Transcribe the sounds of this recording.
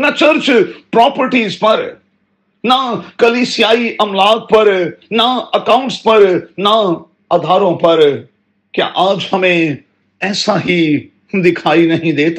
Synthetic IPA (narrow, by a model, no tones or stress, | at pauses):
nat͡ʃɐɾt͡ʃpɾɔːpəɾʈiːzpɐɾ | nakɐliːsijaːiʔɐmlaːɡ̚pɐɾnaɐkaʊ̃ɳʈspɐɾna | ad̪ʱaːɾõpɐɾ | kja̰ʔaːd͡ʒhɐmẽ | ɛːsaɦi | d̪ɪkʰaːinɐɦĩd̪eːt̪a